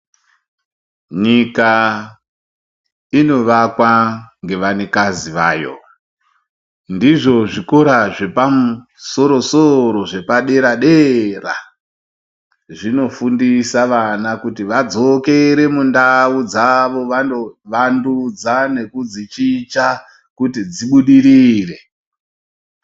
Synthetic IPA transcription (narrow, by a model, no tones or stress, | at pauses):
ɲika | ino̞ʋakwaŋɡe̞ʋane̞kaziʋaːjo̞̰ | ndiʐo̞ʐiko̞ɾaʐe̞pamu | so̞ɾo̞soɾo̞ʐe̞paɗe̞ɾaɗera̰ | ʐino̞fundisaʋanakutiʋad͡zo̞ke̞ɾe̞mundaud͡zaʋo̞ʋanoʋandud͡zane̞kud͡zit͡ʃit͡ʃa | kutid͡ziɓuɗiɾiːre̞